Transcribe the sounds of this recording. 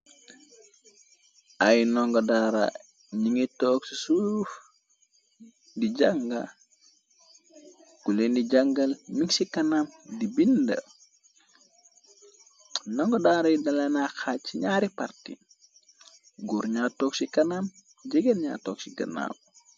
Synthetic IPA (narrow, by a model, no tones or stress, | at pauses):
ajnɔŋɡɔdaːɾa̰ | ɲiŋitːɔːksisuf | diɟaŋɡa̰ | ɡ̥ulendiɟɐŋɡɐlmiŋsikɐnamdibində̰ | nɔŋɡodaːɾɐjidɐlenaxat͡ʃːiɲaːɾipartḭ | ɡuɾɲaːtoːksikɐnam | ɟeɡenɲa̰toːksiɡɐ̰na̰ːw